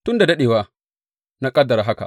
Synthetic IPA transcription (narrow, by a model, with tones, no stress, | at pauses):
tu˦nda˨da˦ɗeː˨wa˦ | na˦kʼɐ˦dːa˨ɾa˨ɦa˦ka̰˨